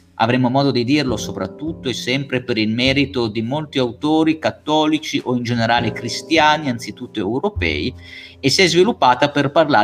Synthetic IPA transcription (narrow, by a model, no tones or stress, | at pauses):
a̰vɾɛmːomɔːd̪od̪id̪irlosopɾa̰t̪ːut̪ːoesːɛmpɾepeɾilmɛːɾit̪od̪imolt̪iawt̪oːɾikat̪ːɔːlit͡ʃiʔoind͡ʒeneɾaːlekɾist̪jaːniant̪sit̪ut̪ːoɛwɾopɛ̰ːiesːiɛzvilupːaːt̪aperparlaː